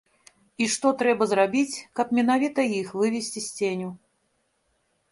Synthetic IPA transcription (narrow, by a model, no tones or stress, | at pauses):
iʂt̪ɔt̪ɾɛbɐzrabʲit͡sʲkɐpmʲɛnavʲit̪ɐjixvɨvʲesʲt͡sʲisʲt͡sʲenʲu